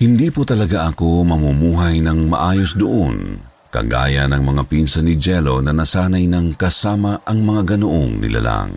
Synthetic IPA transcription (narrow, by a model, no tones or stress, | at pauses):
hɪnd̪iːpot̪ɐlɐɡaʔɐko̞mɐmumuːɦɐjnɐŋmɐ̰ʔaːjosd̪ʊʔon | kɐ̰ɡa̰ːjɐnɐŋmɐŋapinsɐnɪd͡ʒɛlo̞nɐnɐsaːnɐjnɐŋkɐsaːmɐʔɐŋmɐŋaɡɐnoʔoŋnɪ̰lʔa̰la̰ŋ